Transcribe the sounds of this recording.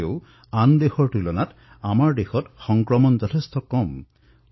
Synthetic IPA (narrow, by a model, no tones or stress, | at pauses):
ew | and̪exɔɹʈulɔnat | amaɹd̪exɔtxɔŋkɹɔmɔnd͡ʒɔtʰest̪ʰɔkɔm